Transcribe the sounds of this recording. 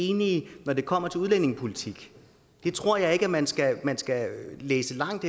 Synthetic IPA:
e̝ːninɒd̥e̝kʰɒ̽m̰ɐt͡sʰe̝luð̞ˠlen̰e̝ŋpʰo̝lit͡sʰiɡ̥ | d̥e̝t͡sʰʁo̝ɐ̰jɑ̈ɪe̝ɡ̥əæmænsɡ̥æmænsɡ̥æleːsəlɑ̈ŋ̰d̥

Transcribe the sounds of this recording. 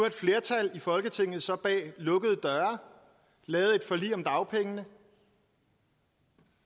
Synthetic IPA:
ɐed̥fle̝ɐt͡sʰælifɒ̽lɡ̥ət͡sʰe̝ŋ̰ð̩ˠsɒ̽b̥ɛ̰ːlɔ̽ɡ̥əð̞̩ˠd̥ɶɐ | lɛːð̩ˠe̝d̥fɒ̽lḭːɒ̽md̥ɑ̈ʊpʰeŋənə

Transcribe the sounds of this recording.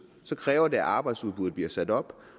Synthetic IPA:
sɒ̽kʰʁɛːʊɐde̝æʔɑ̈ːb̥ɑ̈ɪd̥suðˠb̥uð̩ˠb̥liɐsæd̥ɒ̽b̥

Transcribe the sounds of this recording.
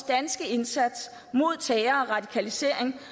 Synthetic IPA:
d̥ænsɡ̥əe̝nsæd̥s | mo̝ð̞̰ˠt͡sʰɛːɐɒ̽ʁɑ̈d̥ikʰælise̝̰ɐ̰eŋ

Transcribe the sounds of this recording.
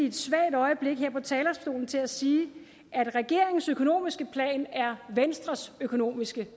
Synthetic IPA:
ied̥sʋæɐ̰d̥ɒ̽ɪəb̥le̝ɡ̥ɦeɐ̰pʰɒ̽t͡sʰɛːlɐsbd̥o̝̰ːln̩t͡sʰe̝læsiː | ʔæd̥ʁɛɡ̥e̝ɐ̰e̝ŋn̩søkʰo̝no̝̰ːmisɡ̥əpʰlɛ̰ːnæɐʋensd̥ʁɐsøkʰo̝no̝̰ːmisɡ̥ə

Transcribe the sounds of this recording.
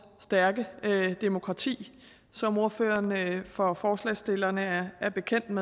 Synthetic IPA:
sd̥æɐɡ̥əd̥e̝mo̝kʰʁɑ̈t͡sʰḭː | sɒ̽mo̝ɐfø̰ːɐnfɒ̽fɒːslɛ̰sd̥e̝lɐnəæɐb̥e̝kʰen̰d̥me

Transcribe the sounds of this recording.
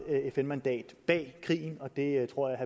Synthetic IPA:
efenmænd̥ɛ̰ːd̥b̥ɛ̰ːkʰʁḭːn̩ɒ̽d̥e̝t͡sʰʁo̝ɐ̰jɪɦæ

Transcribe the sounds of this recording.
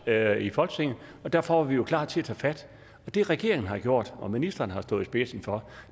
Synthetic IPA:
ifɒ̽lɡ̥sʰeŋ̰̩ɒ̽d̥æɐfɒʋɑ̈ʋijo̝kʰlɑ̰̈ːd̥t͡sʰe̝æt͡sʰɛ̰ːfæd̥ | ɒ̽d̥e̝ʁɛɡ̥e̝ɐeŋn̩ɦɑ̈ɡ̥jo̝ɐ̰d̥ɒ̽minisd̥ɐːnəhɑ̈sd̥ɔ̽ːisb̥esn̩fɒ̽

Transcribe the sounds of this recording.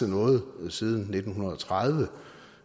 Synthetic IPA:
ənɔ̽ːð̩ˠsið̞ˠn̩ːe̝d̥n̩hunɐð̞̩ˠɒ̽t͡sʰʁað̞ˠʋə

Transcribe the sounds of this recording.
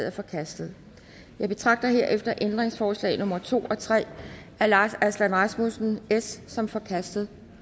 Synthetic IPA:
ð̰ˠæɐfɒ̽kʰæsd̥ð̩ˠ | jɑ̈ɪb̥e̝t͡sʰʁɑ̈ɡ̥̚d̥ɐɦe̝ɐ̰ʔefd̥ɐʔend̥ʁeŋsfɒːslɛ̰ɪnɔ̽mɐt͡sʰo̝̰ːɒ̽t͡sʰʁɛ̰ː | ælɑ̈ːsæslænʁɑ̈smosn̩esːɒ̽mfɒ̽kʰæsd̥ð̩ˠ

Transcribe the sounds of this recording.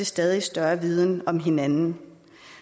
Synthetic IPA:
esd̥ɛːð̞ˠisd̥ɶɐʋið̞ˠn̩ɒ̽mɦe̝nænn̩

